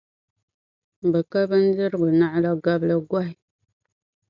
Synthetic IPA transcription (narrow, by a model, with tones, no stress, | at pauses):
bə˨ka˦bə˦n̩˦di˦ɾɡu˨na˦ʔla˦ɡa˦blə˨ɡwa˦ɦi˨